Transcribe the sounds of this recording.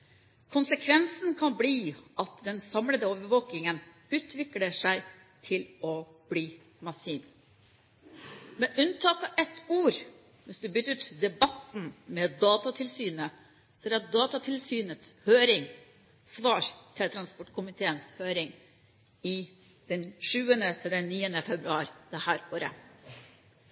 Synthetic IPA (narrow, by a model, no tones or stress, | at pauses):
kʰʊnsəkʰʋɛnsnkʰɑnbliːɑt̪d̪ɛnsɑmləd̪əoːʋəʋoːkɪŋən | ʉːt̪ʰʋɪkləʂæɪ | t̪ʰɪlɔ | b̥liː | mɑsiːn | mɛʔʉnt̪ʰɑːt̪ɑʔɛt̪uːɾ | ʋɪsd̪ʉbʏt̪ːʉːt̪d̪ɛbɑt̪n̩mɛd̪ɑːt̪ɑt̪ʰɪlsyːnə | sɛd̪ɑt̪̚d̪ɑːt̪ɑt̪ʰɪlsyːnət̪shøːɾɪŋ | sʋɑːɾt̪ʰɪlt̪ʰɾɑnspɔʈːkʰʊmɪt̪ʰeːənshøːɾɪŋ | ɪ | d̪̥ɛnʂʉːənət̪ʰɪld̪ɛnniːənəfɛbɾʉɑːɾd̪̥ɛhæːɾoːɾə̰